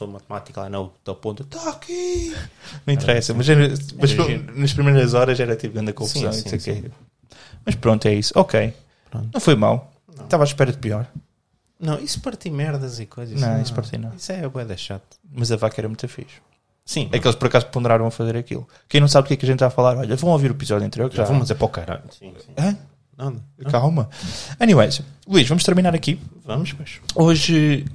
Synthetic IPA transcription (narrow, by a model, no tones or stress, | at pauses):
soumɐt̪̚mat̪i̥kɐlˠanɐt̪ɐpõnt̪t̪aki | mĩt̪ɾɛsɐmɐzɛmɐnɐʃpɾimejɾɐzɔɾɐʃɛɾɐt̪ipuɣɐ̃nd̪ɐkõfuzɐ̃w̃isewke | mɐʃpɾõnt̪ɛisu̥ɔkej | pɾõ̰nnɐ̃w̃fojma̰l̃ˠ | t̪avaʃpɛɾɐðpiɔɾ | nɐ̃w̃ispɐɾt̪imɛɾðɐzikojzɐʃnɐ̃w̃ispɐɾt̪ḭnɐ̃w̃isɛβoɛðɛʃat̪u̥mɐzɐvakɐɛɾɐmũj̃t̪ɐfḭʃu̥ | sĩɐkelˠʃpɔɾɐkazupũnd̪ɨɾaɾɐ̃w̃ɐfɐzeɾɐkḭlˠukɐ̃j̃nɐ̃w̃saβðukɛkɐʒẽnt̪ːaafɐlˠaɾɔʎɐvɐ̃w̃oviɾuipizɔðuẽnt̪ɾijoɾkʒavɐ̃mzeɾpɔkɐɾa̰sĩĩa | naðɐkalˠmɐɐniwɛjsulˠwiʃvɐmʊʃt̪ɨɾminaɾɐkivɐmuʃbajʃoʒ